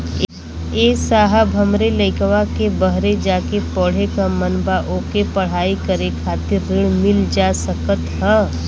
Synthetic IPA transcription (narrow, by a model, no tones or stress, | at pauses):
eːsaːɦabʱɐmɾeləɪkʋakebəɦɾed͡ʒaːkepɔːɽ̤ekamənbaʔoːkepɐɽ̤aːikɐɾekʰaːt̪ɪɾːɪɽmɪld͡ʒaːsəkət̪ɦə